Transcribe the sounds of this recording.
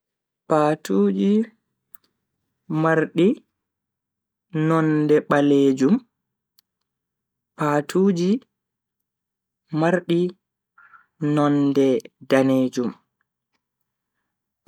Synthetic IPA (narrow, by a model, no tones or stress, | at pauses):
paːtʰuːd͡ʒi | maɾɗi | nɔndɛɓaleːd͡ʒum | paːtʰuːd͡ʒi | aɾɗi | nɔndɛdaneːd͡ʒum